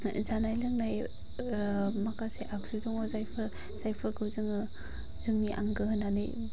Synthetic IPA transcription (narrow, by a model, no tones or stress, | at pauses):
zanajlɯŋnaj | makaseʔakzidɔŋɔzajpʰɐɾ | zajpʰɯɾkɯwzɯŋɯ | zɯŋniʔa̰ŋɡɯɦɯnanɯ̰j